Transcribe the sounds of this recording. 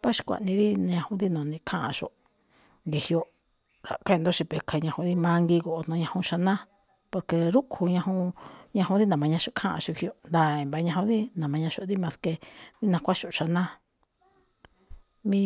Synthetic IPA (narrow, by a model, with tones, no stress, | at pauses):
pa˦ʃi̥˧kʷa̰˨ʔnĩ˧ði˦ñ˧ɲã˧hũ˧ði˦nõ˨nĩ˧kʰã˦ʔã̰˧ʃo̰˧˨ʔ | ŋɡe˧hi˧o˧ | ɾa̰˨ka˦˧nd̪o˦ʃi˧pe˧kʰa˧ɲã˧hũ˧˦ði˦mã˦ŋɡi˧ko˨ʔo˧nõ˧ɲã˧hũ˧ʃa˧nã˦ | po˧ɾke˧ɾu˦ʔkʰu˧ɲã˧hũ˧ɲã˧hũ˧˦ði˦nã˨mã˧ɲã˧ʃo˧˦kʰã˦ʔã̰˧ʃo˧hi˧o˧nd̪a˨e˨mba˧ɲã˧ɦũ˧ði˦nã˨mã˧ɲã˧ʃo˧ði˦mã˧ske˧ði˦nã˧kʷa˦ʃo˨˧ʃa˧nã˦ | mĩ˦